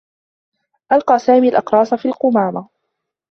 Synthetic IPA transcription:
ʔɑlqɑːsaːmiːalʔɑqɾˤɑːsafiːlqʊmaːɾˤa

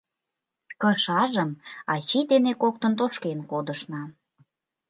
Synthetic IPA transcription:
kəʃɑʒəmɑt͡ɕid̪enekok̚t̪ənt̪oʃkenkod̪əʃnɑ

